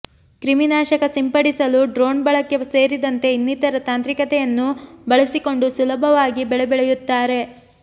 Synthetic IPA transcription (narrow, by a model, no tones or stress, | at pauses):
kɾiminaːʃɐkɐsimpɐɽisɐluɖɾo̞ːnbɐɭɐkːeseːɾid̪ɐnt̪e̞inːit̪ɐɾɐt̪aːnt̪ɾikɐt̪ɛjɐnːubɐɭɐsiko̞ɳɖusulɐbʱɐʋaːɡibɛɭebɛɭejut̪ːaːɾe̞